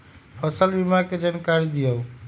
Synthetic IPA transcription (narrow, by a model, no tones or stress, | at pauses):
pʰəsəlbimaked͡ʒankaɾid̪ijəw